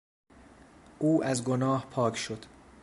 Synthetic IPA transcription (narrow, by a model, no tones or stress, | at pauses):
ʔuːʔæzɡonɒːhpʰɒːkʰʃod̪̥